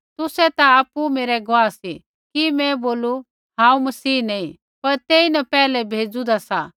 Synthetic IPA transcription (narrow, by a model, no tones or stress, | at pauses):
t̪ʊsɛt̪aaːpumeːɾɛɡʋaːsi | kimɛ̃boːlu | ɦãːũmɐsiːnɐːĩ | pɐɾt̪eːinɐpɛːlɛbʱeːd͡zud̪asa